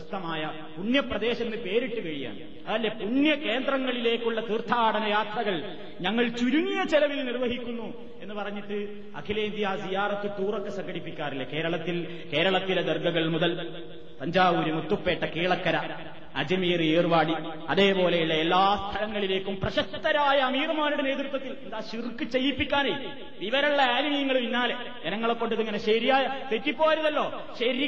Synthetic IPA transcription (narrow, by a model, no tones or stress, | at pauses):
ɐst̪ːɐmaːjɐ | puɳjɐprɐðe̞ːɕɐnːɨpe̞ːɾiʈːukɐɻija̰ːɳ | ɐðɐlːepuɳjɐke̞ːnd̪rɐŋːɐɭile̞ːkːuɭːɐkirt̪ʰːaːɽɐnɐjaːt̪rɐɣɐɭ | ɲɐŋːɐɭt͡ɕuɾuŋijɐt͡ɕelɐʋilnirʋɐɦikʲːunːu | e̞nːɨpɐrɐɲːiʈːɨ | ɐ̰kʰileːnd̪ijaːsijaːrɐt̪ːɨt̪uːrokːesɐŋɡʱɐɽipːikʲːaːrilːɐke̞ːɾɐɭɐt̪ːil | ke̞ːɾɐɭɐt̪ːiled̪erɡɐɣɐɭmuðɐl | t̪ɐɲd͡ʑaːʋuːɾumut̪ːupːe̞ːʈːɐkiːɭɐkːɐɾɐ | ɐd͡ʑimiːreːrʋaːɽi | ɐðe̞ːpo̞ːlejuɭːɐelːaːst̪ʰɐlɐŋːɐɭile̞ːkʲːumprɐɕɐk̚t̪ːɐɾaːjɐːmiːɣɐmaːnuɽe̞ne̞ːt̪rɨt̪ːwɐt̪ːilend̪aːɕirkːɨt͡ɕe̞jːipːikʲːaːnɐji | ʋiʋɐɾuɭːɐaːnmɐjɐŋːɐɭʋiɲːaːle | enɐŋːɐɭkːo̞ɳɖiðiŋːɐne̞ɕɐɾijaːjɐt̪etːipːo̞ːjɐɾɐðɐlːo̞ː | ɕɐɾi